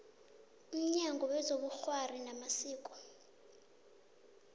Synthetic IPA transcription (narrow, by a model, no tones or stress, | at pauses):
um̩ɲaŋɡʱɔwɛzoɓuxwarinamasiːkʼɔ̥